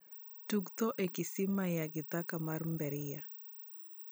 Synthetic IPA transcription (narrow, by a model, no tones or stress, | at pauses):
tukt̪ɔʔekɪsimajaɡɪt̪akamarmbɛɾɪja